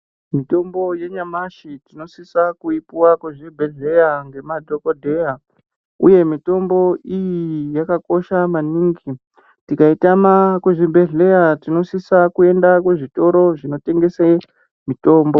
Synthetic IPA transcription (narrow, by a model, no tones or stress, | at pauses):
mito̞mbo̞je̞ɲamaʃitino̞sisakuipuwakweʐibʱe̞ɮe̞jaŋɡe̞madʱoko̞dʱe̞ja | ṵje̞mito̞mbo̞ijijakako̞ʃamaniːŋɡi | tikaitamakweʐibʱe̞ɮe̞jatino̞sisakue̞ndak̬we̞ʐito̞ɾo̞ʐino̞te̞ŋɡe̞se | mito̞ːmbo̞